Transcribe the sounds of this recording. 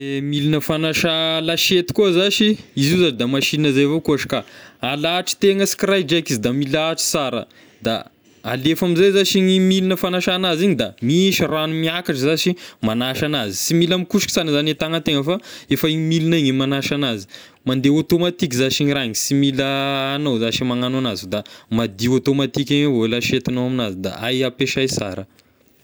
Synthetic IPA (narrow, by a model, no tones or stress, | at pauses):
emilinəfanaʃalaʃet̪i̥kuəzaʃiizuzaʈ͡ʂid̪amaʃinəzajvokuaʃkaalaʈ͡ʂi̥t̪eŋəsi̥kirajd͡ʒakizid̪amilaʈ͡ʂi̥t͡saɾə̰ | d̪a̰ | a̰lefamizajzaʃiɲimilinəfanaʃanaziɲid̪amiʃiɾanumiakaʈ͡ʂəzaʃimanaʃanazisimilamikuʃikisanizanet̪aŋət̪eŋəfaefəiɲimiliniɲimanaʃanazi̥ | mand̪eot̪omat̪ik̬zaʃiɲiɾaɲisimiləːnozaʃimaŋanoanazud̪amad̪iot̪omat̪ikʲaŋevoelaʃet̪inoaminazid̪a̰ajapeʃajsa̰ɾə